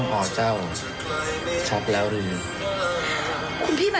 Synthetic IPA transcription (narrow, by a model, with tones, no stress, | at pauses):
ŋʔɔː˨˩t͡ɕa˥˩w | t͡ɕʰa˦˥t̪̚lɛː˦˥wɾɯː˧ | kʰu˧nt̪ʰiː˥˩ma˧